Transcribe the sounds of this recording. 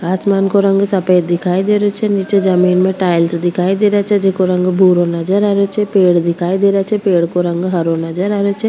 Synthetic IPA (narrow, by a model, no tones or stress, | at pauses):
aːsmaːnkoɾə̃ŋɡsɐpeːt̪̚d̪ɪkʰaːid̪eːɾot͡ʃʰɛnit͡ʃed͡ʒɐmiːnmẽʈaːɪlsd̪ɪkʰaːid̪eːɾat͡ʃʰɛd͡ʒekoɾə̃ŋɡbʱuːɾonɐd͡ʒəɾaːɾot͡ʃʰɛpeːɽd̪ɪkʰaːid̪eːɾat͡ʃʰɛpeːɽkoɾɐ̃ŋɡɦɐɾonɐd͡ʒəɾaːɾot͡ʃʰɛ